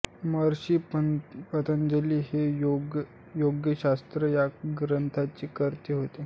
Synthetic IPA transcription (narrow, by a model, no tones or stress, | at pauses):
məɾɕiːəpət̪ənd͡ʑəliːɦejoɡ | joɡjəɕast̪ɾəjaɡɾənt̪ʰat͡ɕiːkəɾt̪iːɦot̪e